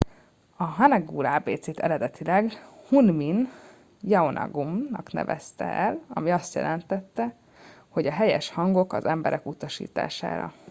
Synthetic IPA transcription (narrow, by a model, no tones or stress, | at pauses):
ɒɦɒnɛɡuːlaːbeːt̪seːt̪ɛɾɛd̪ɛt̪ilɛɡhunmin | jɛonʔɒ̰ɡumnɒknɛ̰vɛst̪ɛ̰ʔɛlɒmiɒst̪jɛ̰lɛnt̪ɛt̪ːɛ | ho̞ɟɒɦɛjɛʃhɒŋɡo̞kɒzɛmbɛɾʔɛkut̪ɒʃḭːt̪a̰ːʃa̰ːɾɒ̰